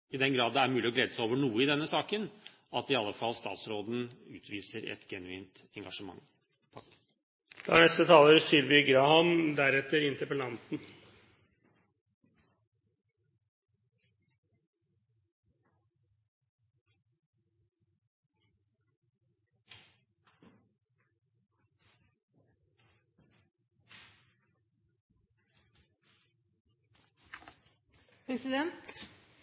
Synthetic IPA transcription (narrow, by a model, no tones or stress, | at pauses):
ɪd̪ɛnɡɾɑːd̪d̪ɛæɾmʉːlɪɔɡleːd̪əsæɪoːʋəɳuːəɪd̪ɛnːəsɑːkən | ɑt̪ɪɑlːəfɑlst̪ɑ̰ːt̪sɾoːd̪n̩ʉ̰ːt̪ʰʋiːsəɾɛ̰t̪ɡɛnʉiːnt̪ɛŋɡɑʂəmɑ̰ŋ | pʰɑkː | d̪̥æɳɛst̪ət̪ʰɑːləɾsʏlʋɪɡɾɑhɑmd̪æɾɛt̪ːəɾɪnt̪əɾpəlɑnt̪n̩ | pʰɾɛsɪd̪ɛnt̪